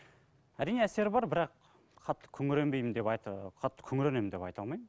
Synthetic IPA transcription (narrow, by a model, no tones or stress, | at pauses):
æɾijneæse̞ɾbɑɾbɪɾɑq | qʰɑt̪ːə̥kʲʰɵŋɪɾembe̞jɪmd̪e̞pɑj̪qʰɑt̪ːə̥kʲʰɵŋɪɾenemd̪epɑjt̪ʰɑlˠmɑjm